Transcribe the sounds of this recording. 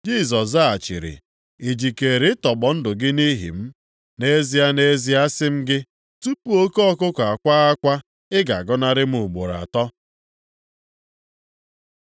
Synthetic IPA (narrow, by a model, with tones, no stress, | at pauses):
d͡ʒi˦˨s̬ɔ˨s̬a˦a˨t͡ʃɪ̰˨ɾɪ̰˨ | e˨d͡ʒi˨ke˨ɾɪ˦tɔ˨ɡ͡bɔ˨n̩˦dʊ˨ɡɪ˦ni˦ɦḭ˨m̩˦ | ne˦zi˦a˦ne˦zi˦a˦sɪ˦m̩˦ɡɪ˦ | tu˦pu˦o˦kɔ˦kʊ˦ka˨kʷa˦a˦kʷa˦ | ɪ˦ɡa˨ɡɔ˦na˦ɾɪ˦m̩˦ʊ˨ɡ͡bo˨ɾa̰˨tɔ˦